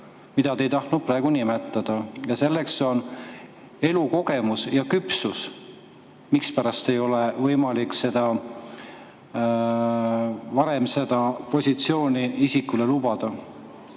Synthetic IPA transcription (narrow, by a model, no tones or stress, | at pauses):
mid̪ɑt̪ejt̪ɑht̪nu̥pɾɑe̞ɡ̥unimet̪ːˑɑd̪̥ɑjɑse̞lːe̞kso̞n | e̞luko̞ɡe̞musjɑkypsus | mikspæɾɑst̪e̞jo̞levɤjmɑlikse̞d̪̥ɑ | vɑɾe̞mse̞d̪̥ɑpo̞sʲit̪sio̞ːnʲiisikːule̞lubɑd̪̥ɑ